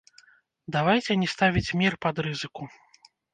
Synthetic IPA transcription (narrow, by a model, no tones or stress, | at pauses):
d̪avajt͡sʲɛnʲɛst̪avʲit͡sʲmʲirpɐd̪ɾɨzɨku